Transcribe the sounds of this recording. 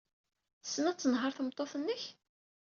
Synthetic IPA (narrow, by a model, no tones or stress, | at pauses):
θsːənæt͡sːənɦəɾθəmt̪ˤːoθənːəç